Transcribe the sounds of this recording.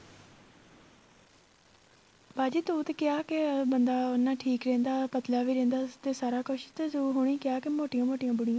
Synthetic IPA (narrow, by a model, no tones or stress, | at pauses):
baːd͡ʒiːt̪uːt̪ekɪaːkebənd̪aːonːãːʈʰiːkɾẽːnd̪aːpət̪laːʋiːɾẽːnd̪aːt̪eːsaːɾaːkʊʃt̪eːsːɦoːɽ̃iːkɪaːkɪmoːʈɪjãːmoːʈɪjãːbʊɽɪjãː